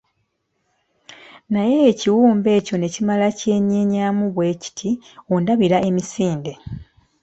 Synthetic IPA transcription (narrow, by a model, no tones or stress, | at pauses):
naje̞ːciwuːmbe̞ːco̞ne̞cimalace̞ːɲeɲaːmuβwe̞ci̥tʰiondaβiɾaʔe̞misiːnde̞